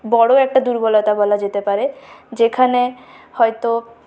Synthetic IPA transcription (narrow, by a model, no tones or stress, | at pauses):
bɔɽoɛk̚ʈad̪uɾbolat̪abɔlad͡ʑet̪epaɾed͡ʑekʰane | hɔjt̪o